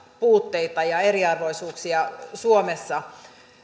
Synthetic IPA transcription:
puːt̪ːeit̪ɑjɑeriɑrʋo̞isuːksiɑsuomesːɑ

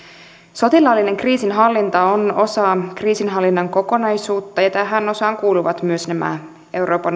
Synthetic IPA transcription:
so̞t̪ilɑːlːine̞ŋkriːsinɦɑlːint̪ɑono̞sɑːkriːsinɦɑlːinːɑŋko̞ko̞nɑjsuːt̪ːɑjɑt̪æɦæno̞sɑːŋkuːluʋɑt̪myøsnæmæ̰ | e̞wɾo̞ːpɑn

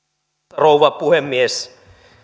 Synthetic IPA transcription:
rouʋɑpuhemːies

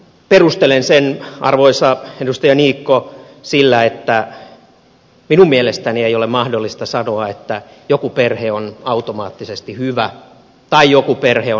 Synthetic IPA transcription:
perust̪elensenʔɑ̰rʋoisɑedust̪ɑjɑniːkːo | silːæet̪ːæ | minummielest̪ænieiolemɑhdolːist̪ɑsɑnoɑet̪ːæjokuperheonɑut̪omɑːt̪ːisest̪ihyʋæ | t̪ɑijokuperheo

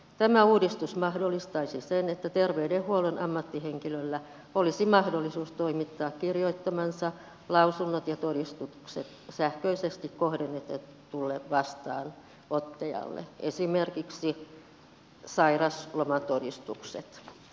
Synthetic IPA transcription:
t̪æmæuːdist̪usmɑhdolːˑist̪ɑisisenet̪ːæt̪erʋeydehhuolenɑmːɑt̪ːiheŋkilølːæ | olisimɑhdolːisuːst̪oimit̪ːɑːkkirjoit̪ːɑmɑnsɑ | lɑusunːot̪jɑt̪oɾist̪uksḛt̪sæhkøisest̪ikkohdenet̪ːæt̪ulːeʋʋɑst̪ɑ̰ːn | ot̪ːejɑ̰lːḛḛsimerkiksi | sɑirɑslomɑt̪odist̪uksḛt̪

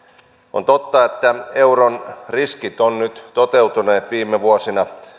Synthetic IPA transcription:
o̰nt̪ot̪ːɑet̪ːæe̞wronriskit̪onnyt̪t̪ot̪ewt̪uneːt̪ʋiːmeʋuosinɑ

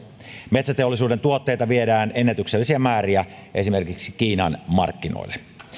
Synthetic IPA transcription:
met̪sæt̪eolːˑisuːdent̪uot̪ːeːjt̪ɑʋiedæːnenːet̪ykselːisiæmæːriæʔesimerkiksikiːnɑ̰nmɑ̰rkːino̰ilːe

